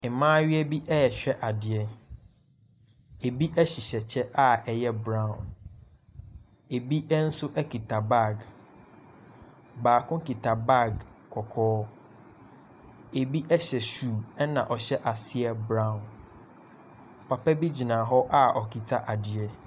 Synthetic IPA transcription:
ɪ˨mãː˦ɥi˦ɛ˦bi˦ʔɛ˦jɛ˨ɕᶣɛ˦ʔa˨dɪ˨ɛ˦ | e˨bi˦ʔɛ˦ɕi˨ɕɛ˨t͡ɕʰɛ˦ʔa˦ɛ˨jɛ˦bɾã˦˨ũ˨n | e˨bi˦ʔɛ˦n̩˦sʊ˦ʔɛ˦kʰi˨tʰa˨ba˦˨ɡ | baː˨kʊ̃˦ki˨tʰa˨ba˦˨ɡ | kʰɔ˨kʰɔː˦ | e˨bi˦ʔɛ˦ɕɛ˨suː˨ɛ˦nã˨ʔɔ˨ɕɛ˦ʔa˨sɪ˦ɛ˦bɾã˦˨n | pʰa˨pʰɛ˦bi˦d͡ʑi˨nãː˨ɦɔ˦ʔa˦ʔɔ˨kʰi˨tʰa˦ʔa˨dɪ˨ɛ˦

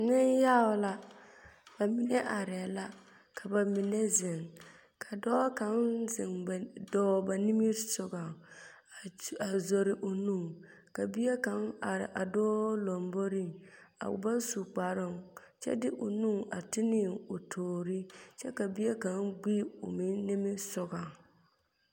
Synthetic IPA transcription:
nɪ˦njaː˦ʊ˨la˦ | b̥a˨mi˨nɛ˦ʔa˨ɾɛ˨la˦ | kʰa˨ba˨mi˨nɛ˦zɪ˨ŋ | kʰa˨dɔː˦ka˨˦nzɪ˨ŋ˨dɔː˦ba˨ni˦mi˦ɾsʊ˨ɡa˨ | a˨zo˨ɾɪ˨ʔo˨nu˦˨ŋ | ka˨bi˦ɛ˦ka˦na˨ɾɪ̰˨ʔa˨dɔː˦lo˨mbo˦ɾi˦˨ŋa̰˨ba˦su˨k͡pa˨ɾɪ˦ŋ | t͡ʃɛ̰˦dɪ˦ʔo˨nu˦ŋa˨tɪ˦nɪ˦˨o˨tʰoː˨ɾi˦t͡ʃɛ˦ka˨bi˦ɛ˦ka˦ŋɡ͡bi˦o˨mɪ˦nnɪ˦mɪ˦sʊ˨ɡa˨ŋ

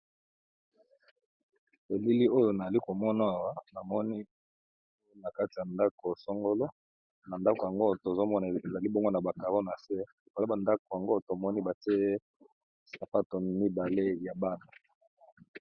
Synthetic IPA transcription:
e˨li˦li˦o˦jo˨na˨za˨li˦ko˨mɔ˦na˦a˨wa˦na˨mɔ˦ni˦ | na˨ka˦ti˨a˨nda˦ko˨so˦ŋɡo˦lo˦ | na˨nda˦ko˨a˨ŋɡo˦to˨zo˦mɔ˦na˨e˨za˨li˦bo˦ŋɡo˦na˨ba˨ka˨ʁo˦na˨se˦ | i˨ka˨˦ba˨nda˦ko˨a˨ŋɡo˦to˨mɔ˦ni˦ba˨te˦ | sa˨fa˦to˨mi˦ba˨le˦ja˨ba˦na˨

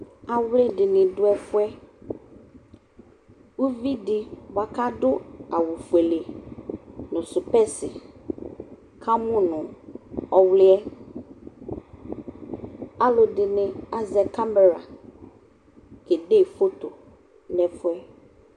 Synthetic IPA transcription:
a˨wlɪ˦dɪ˨nɪ̃˨dʊ˦ɛ˦fʊ˦ɛ˦ | wu˦vi˦dɪ˨va˨ka˦dʊ˦a˨wu˨fu˨e˨le˨ | nʊ̃˨sʊ˨pɛ˦sɪ˨ | kʰa˦mʊ̃˦nʊ̃˨ɔ˨wlɪ˦ɛ˦ | a˦lʊ˨dɪ˨nɪ̃˨a˨zɛ˨ka˦mbɛ˨ɾa̰˨ | kɛ˨de˦˨fo˦t̪o˨ | nɛ̃˨fʊ˦ɛ˦

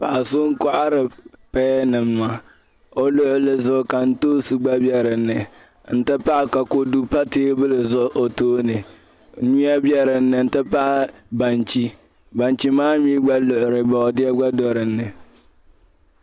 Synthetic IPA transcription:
pa˨ʔa˨sʊ˦ŋ̩˦ka˦ʔa˦ɾɨ˨pɛː˦nɨ˨mːa˨ | o˦lo˦ʔʊ˨˦lɨ˦zʊ˦ʔka˨n̩˦toː˦su˨ɡ͡ba˦bɛ˦ɾɪ˨nɨ˨ | n̩˦tɨ˦pa˦ʔka˨ko˦du˦pa˦teː˦bɨ˦lɨ˨zʊ˦ʔʊ˦ʔo˨toː˦nɨ˨˦ | ɲu˦a˦bjɛ˦ɾɪ˨nːɨ˨n̩˦tɨ˦pa˦ʔba˨nt͡ʃi˦ | ba˨nt͡ʃi˦maː˦mi˦ɡ͡ba˦lʊ˨ʔʊ˨ɾɨ˨bɔ˨dɪ˦ɛ˦ɡ͡ba˦dɔ˨ɾɨ˨nːɨ˨

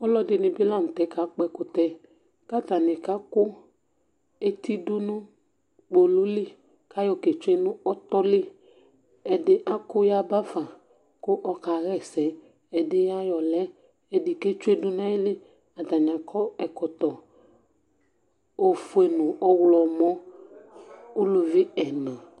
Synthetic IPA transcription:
ɔ˦lɔ˦dɪ˨nɪ̃˨bɪ˦la˦mu˨t̪ɛ˨˦ka˨˦k͡pɛ˦kʊ˦t̪ɛ˨ | ka˦t̪a˨nɪ˨ka˦kʊ˦ | e˦t̪i˦dʊ˦nʊ̃˦ | k͡po˨lʊ˦li˦ | ka˦jɔ˨ke˨t͡ʃʊ˦e˦nʊ̃˦ɔ˦t̪ɔ˦lɪ˦ | ɛ˨dɪ˦ʔa˦kʊ˦ja˦ba˦fa˨ | kʊ˦ʔɔ˦ka˨ɣɛ˦sɛ˨ | ɛ˨dɪ˦ja˦jɔ˨lɛ˦ | ɛ˨dɪ˨ke˦t͡ʃʊ˦e˦dʊ˦nã˦ɪ˦lɪ˦ | a˨t̪a˨ɲã˨kʰɔ˦ɛ˨kɔ˨t̪ɔ˨ | o˨fʊ˦e˨nʊ̃˨ʔɔ˦wlɔ˨mɔ̃˦ | ʊ˦lʊ˨vɪ˦ɛ˨nã˨

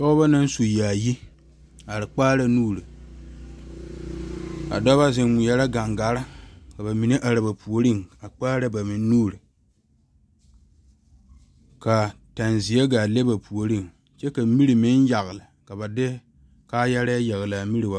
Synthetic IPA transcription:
tɔ˦ɡba˦na˦n˦su˨jaː˨ji˦ | a˨ɾɪ˨k͡paː˦ɾa˨nuː˦˨ɾɨ˨ | a̰˨dɔ˦ba˦zɪ˨mʊ˨ja˦ɾa˦ɡa˨ŋɡa˨˦ɾa˦ka˨ba˨mi˨nɨ˦ʔa˨ɾɨ˨ba˨pu˨o˨ɾi˦ŋa˨k͡paː˦ɾa˦ba˨mɪ˨nː˦uː˦ɾɨ˨ | ka˨ | ta˨nzi˨ja˦ɡa˨le˦ba˨pu˨o˨ɾi˦˨ŋ | t͡ʃɛ˦ka˨mi˦ɾi˨mɪ˦nja˨ɣɨ˨la˨ka˨ba˨dɪ˦ | kaː˦ja˦ɾa˦a˦ja˨ɣla˨mi˦ɾi˨ba˨˦

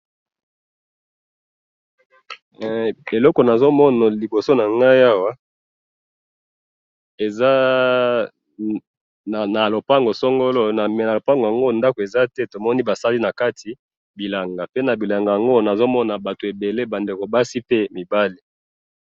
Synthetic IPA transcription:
e˨lɔ˦ko˨na˨zo˦mɔ˦na˨li˨bo˨so˦na˨ŋɡa˦ja˦wa˦ | e˨za˦˨ | na˨lo˨pa˦ŋɡo˨so˦ŋɡo˦lo˦na˨m˨na˨lo˨pa˦ŋɡo˨ja˨ŋɡo˦nda˦ko˨e˨za˦tɛ˦to˨mɔ˦ni˦ba˨sa˦li˦na˨ka˦tʰi˨ | bi˨la˨ŋɡa˨pe˦na˨bi˨la˨ŋɡa˨ja˨ŋɡo˦na˨zo˦mɔ˦na˨ba˨to˨e˨be˨le˦ba˨nde˨ko˨ba˦si˦pe˦mi˨ba˦li˨

